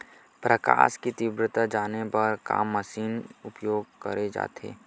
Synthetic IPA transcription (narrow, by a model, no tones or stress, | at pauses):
pɾɐka̰ːʃkit̪ibɾɪt̪ad͡ʒaːnebɐɾka̰ːmːɐsiːnʊpjoːɡ̚kəɾed͡ʒa̰ːt̪ḛː